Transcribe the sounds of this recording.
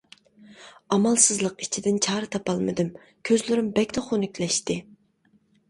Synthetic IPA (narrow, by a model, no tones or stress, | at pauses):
ɑmɑlˠsɨzlˠəqi̥t͡ʃʰid̪ɪnt͡ʃʰɑːɾɨt̪ʰɑpɑlˠmɨ̰d̪ɨm | kʲʰøzlɪɾɪmbɛkʲt̪ʰɛχunykʲʰlɛʃt̪ɪ